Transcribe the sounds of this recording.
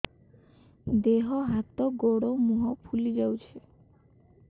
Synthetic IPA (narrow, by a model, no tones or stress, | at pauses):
d̪eɦɔɦat̪ɔɡoɽomuɦɔpʰulid͡ʒawt͡ʃʰe